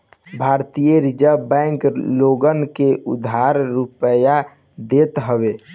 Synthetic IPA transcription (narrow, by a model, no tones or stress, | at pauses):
bʱaɾt̪ijəɾid͡ʒəbɛ̃ŋkloɡənkeʔud̪ʱːaɾɾupəja | d̪et̪ɦəbe